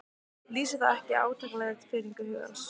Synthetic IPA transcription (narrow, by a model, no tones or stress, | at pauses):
liːsɪθaðɛhcɪa̰ːwt̪ʰaklɛɣat̪fɪɾiŋkʏhʏːɣa̰ns